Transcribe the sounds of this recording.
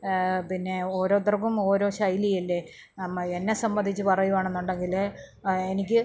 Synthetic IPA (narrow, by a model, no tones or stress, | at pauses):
pinːe̞o̞ːɾo̞ːt̪̬rɐkumo̞ːɾo̞ːɕɐjlijɐlːe | ɐenːesɐmbɐnd̪ʱit͡ɕːɨpɐrɐjuʋaːɳe̞nːuɳɖe̞ŋɡil | enikʲːɨ